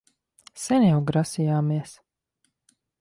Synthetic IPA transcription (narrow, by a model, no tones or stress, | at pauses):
sɛnjawɡɾasijaːmiɛs